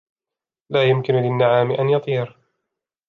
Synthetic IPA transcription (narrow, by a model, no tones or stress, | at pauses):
laːjʊmkɪnʊlɪnːaʕaːmɪʔanjɑt̪ˤiːɾ